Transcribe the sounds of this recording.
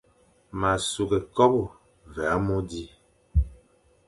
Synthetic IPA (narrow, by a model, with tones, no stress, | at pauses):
ma˨su˨ɡɛ˨kɔ˦bu˨ | vɛ˨a˦mɔ˦di˦